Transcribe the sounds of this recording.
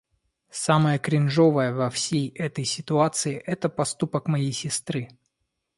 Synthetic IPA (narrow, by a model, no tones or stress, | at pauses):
saməjəkɾʲɪnʐo̞vəjəvɐfsʲejɛt̪əjsʲɪt̪ʊat̪sɨɪʔɛt̪əpɐst̪upəkmɐjejsʲɪst̪ɾɨ